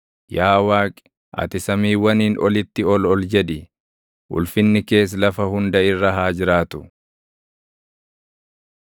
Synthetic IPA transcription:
jaːwaːkʼɪ̥ | ʔɐ̰t̪ɪsɐmiːwɐniːnʔɔlɪt̪ːɪɔlɔld͡ʒɛᶑ̪ɪ | ʔʊ̰lfɪnːɪke̞ːs̬lɐfɐhʊnd̪ɐɪrːɐɦaːd͡ʒɪɾaːt̪ʊ

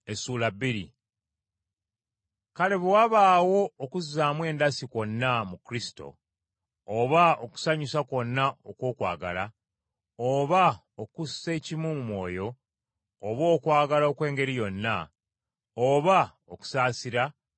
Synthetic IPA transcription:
esuːlabːiɾḭ | kaleβewaβaːwo̞ːkuzaːmwe̞ːndasiko̞nːamukɾisi̥to̞̰ː | βaoku̥saɲusako̞nːaokwo̞ːkwa̰ːɡa̰la | oβa | okusːe̞ːcimumumwo̞̰ːjo̞ː | βo̞ːkwaːɡalokwe̞ːŋɡe̞ɾijo̞nːa | oβa | oku̥saːsiɾa

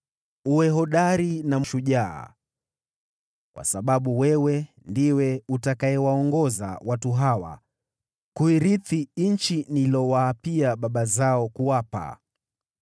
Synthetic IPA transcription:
uwɛɦɔɗaɾinamʃuʄa̰ː | kwa̰saɓaɓuwɛwɛ | ndiwɛutakaɛwaɔŋɡɔza̰watuɦawa̰ | kuiɾiθint͡ʃinilɔwaːpiaɓaɓazaɔkuwapa̰

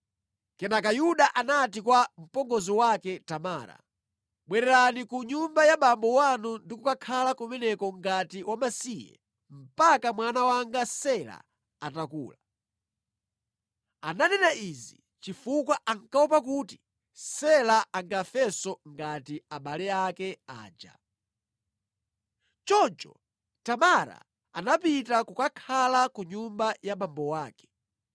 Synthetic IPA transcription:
kɛnakajuɗaʔanat̬ikwam̩pɔŋɡɔziwakɛtamaːɾa̰ | ɓwɛɾɛɾanikuɲumbajaɓambɔwanundikukakʰalakumɛnɛkɔŋɡatiwamasijɛ̰ | m̩pakamwanawaŋɡasɛla̰ | atakṵːla | ananɛnaizi | t͡ʃifukwaʔaŋkaup̬akuːti | sɛlaaŋɡafɛsɔŋɡatiaɓalɛakɛa̰ːd͡ʒa̰ | t͡ʃɔnt͡ʃɔ̰ | tamaɾa̰ | a̰napitakukakʰalakuɲumbajamambɔwaːkɛ̥

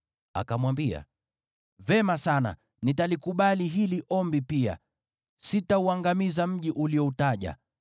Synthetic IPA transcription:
a̰kamwambia̰ | vɛmasana̰ | nitalikuɓaliɦiliʔɔmbipia̰ | sitauaŋɡamizam̩ʄiʔuliɔutaʄa̰

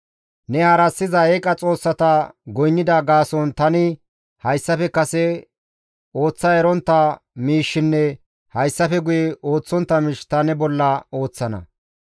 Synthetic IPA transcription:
nɛaːɾɐsːɪzɐekʼɐt͡sʼo̞ːsːɐt̪ɐɡɔjnːɪd̪ɐɡaːsɔnt̪ɐnɪ | hɐjsːɐfɛkɐsɛ | o̞ːt͡sːɐɛɾɔnt̪ːɐ | miːʃːɪnːɛ | hɐjsːɐfɛɡʊjɛʔo̞ːt͡sːɔnt̪ːɐmɪʃt̪ɐnɛbɔlːɐo̞ːt͡sːɐnɐ̰

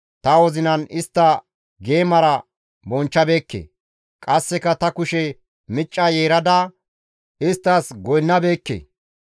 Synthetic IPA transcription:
t̪ɐwɔzɪnɐnɪst̪ːɐ | ɡe̞ːmɐɾɐ | bɔnt͡ʃːɐbe̞ːkːḛː | kʼɐsːɛkɐt̪ɐkʊʃɛ | mɪt͡ʃʼːɐje̞ːɾɐd̪a | ɪst̪ːɐsɡɔjnːɐbe̞ːkːḛː

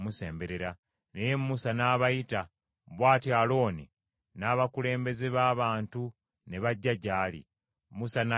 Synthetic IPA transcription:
muse̞ːmbe̞ɾe̞ɾa | nejemmusanaːβajita | βwaːtialo̞ːnḭ | naːβakule̞ːmbe̞zeβaːβaːntu | ne̞βaɟːaɟaːlḭ | musana

